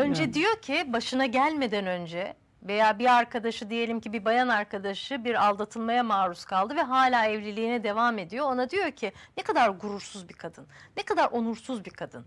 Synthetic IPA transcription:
ø̞nd͡ʒɛd̪ijo̞cʰibaʃɯnaɟælʲme̞d̪ænø̞nd͡ʒɛ | ve̞jaːbiaɾkʰad̪aʃɯd̪ije̞lʲimcibibajanaɾkʰad̪aʃɯbiɾalˠd̪at̪ʰɯlˠmajamaːɾuskʰalˠd̪ɯvɛɦaːlʲaːɛvlʲilʲiːnɛd̪e̞vaːme̞d̪ijo̞onad̪ijo̞ɾcʰinɛkʰad̪aɾɡuɾuɾsuzbikʰad̪ɯnːɛkad̪aɾʔonuɾsuzbikʰad̪ɯn

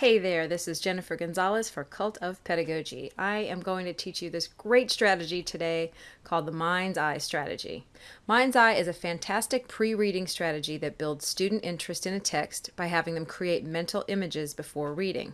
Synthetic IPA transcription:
heɪðə˞ðɪsɨzd͡ʒɛnɨfə˞ɡɨ̃nzɑlˠəsfə˞kʰʌlˠtʰʌv̥pʰɛɾɨɡoʊd͡ʒḭaɪɨ̃mɡoʊɪ̃ŋtʰɨtʰit͡ʃjɨðɪsɡ̥ɹeɪtstɹ̥æɾɨd͡ʒitʰɨdeɪkʰɔlˠd̪̚ðəmãɪ̃nzaɪstɹ̥æ̰ɾɨ̰d͡ʒḭ | mãɪ̃nzaɪɨzɨfæ̃ntʰæstɨk̚pʰɹ̥iɹiɾɪ̃ŋstɹ̥æɾɨd͡ʒiðɨt̚b̥ɪlˠdz̥stʉdⁿn̩tɪ̃nt͡ʃɹ̥ɨstɨ̃nɨtʰɛkstb̥aɪɦævɪ̃ŋðɨ̃mkʰɹ̥ieɪt̚mɛ̃ntʰˡl̩ˠɪ̃mɨd͡ʒɪzbɨfɔɹɹiɾɪ̰̃ŋ

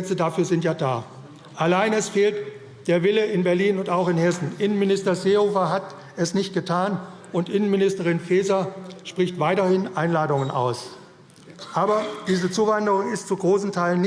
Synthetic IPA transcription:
t͡sədafyːɐzɪntjaːdaː | ʔalaɪnɛsfeːlt | d̥eːɐvɪləɪnbɛɐliːnʊntaʊxɪnhɛsn̩ʔɪnənmɪnɪstɐzeːhoːfɐɦat | ɛsnɪçt̚ɡ̥ətʰaːn | ʊntʔɪnənmɪnɪstəʁɪnfeːzaʃpʁ̥ɪçtv̥aɪtɐhɪnʔaɪnlaːdʊŋənʔa̰ʊs | ʔaːbɐd̥iːzət͡suːvandəʁʊŋɪstt͡suɡʁoːsn̩tʰaɪlən

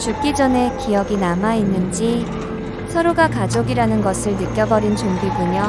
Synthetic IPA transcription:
t͡ɕuk͈id͡ʑʌne̞kijʌɡinamainːɯnd͡ʑi | sʰʌɾoɡakad͡ʑoɡiɾanɯnɡʌsʰɯɭnɯk͈jʌɡʌɾint͡ɕonbiɡuɲʌ

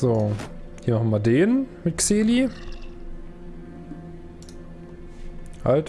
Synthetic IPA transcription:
z̥oː | hiːɐmaχɐmadeːnmɪt̚kseːli | ʔalt

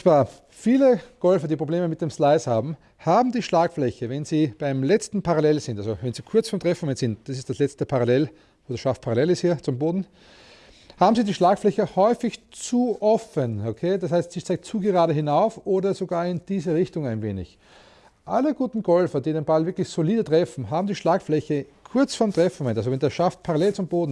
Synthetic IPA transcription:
v̥aːɐ | fiːləɡ̥ɔlfɐdiːpʁ̥obleːməmɪt̪̚d̥emslaɪshaːbm̩ | haːbm̩diːʃlaːkflɛçəvɛnziːb̥aɪmlɛt͡stn̩pʰaʁalɛlzɪ̃ntalzovɛnz̥iːkʰʊɐt͡sfɔmtʁ̥ɛfn̩vɛnsɪnt̚d̥asɪstd̥aslɛt͡stəpʰaʁalɛl | oːdɐʃaf̚pʰaʁalɛlɪsthiːɐt͡sʊmboːdn̩ | haːbm̩ziːdiːʃlaːkflɛçəhɔʏfɪçt͡suʔɔfənokʰeːdashaɪstsiːtt͡saɪɡt͡suːɡəʁaːdəɦɪnaʊfʔoːdɐzoɡaːɐɪnd̥iːzəʁɪçtʊŋæɪnveːnɪ̰ç | ʔaləɡ̥uːtn̩ɡ̥ɔlfɐdiːdenb̥alvɪɐklɪçsoliːdətʁ̥ɛfn̩ɦaːbm̩diːʃlaːkflɛçəkʰʊɐt͡sfɔɐmtʁ̥ɛfn̩vɛntalzovɛndeːɐʃaft̚pʰaʁalɛlt͡sʊmboːdn̩

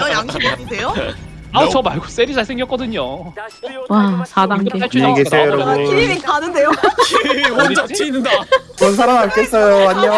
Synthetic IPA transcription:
ʌjaŋɕʰiaɲidejo | at͡ɕʌmaɭɡo̥s͈eɾit͡ɕʰas͈ʰeŋɡjʌk͈ʌdɯɲo | wasadaɡeat͡ɕʰuɡeɾaɡoɾinikanɯnde̞jo | od͡ʑat͡ɕʰt͡ɕʰiinɯndat͡ɕʌns̬ʰaɾamɦaɭk͈es͈ʌjoaɲijo

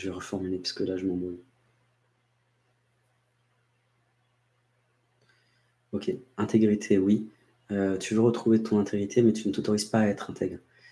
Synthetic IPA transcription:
ʒəvɛʁəfɔʁmylepɥi̥skəlaʒəmɑ̃mɔ | okʲʰeɛ̃t̪ʰeɡʁit̪ʰewi | øt̪yvøʁət̪χuvet̪ɔ̃nɛ̃t̪ʰeɡʁit̪ʰemɛt̪ynət̪ot̪ɔʁiz̥paːɛt̪χɛ̃t̪ʰɛɡʁ

